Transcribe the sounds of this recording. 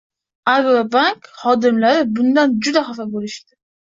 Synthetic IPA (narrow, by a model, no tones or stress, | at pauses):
aɾbvabaŋkχɒd̪ɪmlaɾɪbʊnd̪and͡ʒʊd̪aχafabolɪʃt̪ɪ